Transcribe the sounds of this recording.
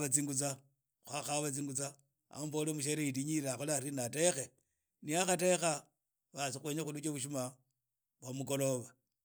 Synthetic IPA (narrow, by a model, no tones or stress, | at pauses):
at͡siŋɡut͡sa | xwaxaβat͡siŋɡut͡sa | a̰mbolemuʃeɾeitiɲiɾeaxolaɾinate̞xe | niaxate̞xa | βasixweːɲexulut͡ʃoβuʃ̬uma | βwamuko̞lo̞βa